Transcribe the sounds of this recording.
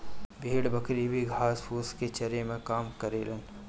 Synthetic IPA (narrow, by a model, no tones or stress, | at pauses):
bʱiːɽbəkɾibʱiɡʱaːspʰuːsket͡ʃɐɾemẽkaːmkɐɾeːlən